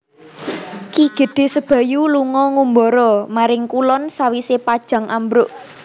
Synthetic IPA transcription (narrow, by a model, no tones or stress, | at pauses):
kiɡ̥ə̤d̪̥e̤səb̥ä̤juluŋɔŋumbɔɾɔmaɾɪŋkulɔnsawisepad̥ʒ̥ä̤ŋʔambɾʊʔ